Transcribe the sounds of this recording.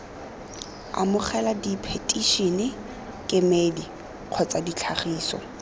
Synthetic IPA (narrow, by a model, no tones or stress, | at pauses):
a̰mʊχɛladipʰetʼiʃinɪ | kʼɪmedi | q͡χʰɔt͡sʼadit͡ɬʰaχiːsɔ̰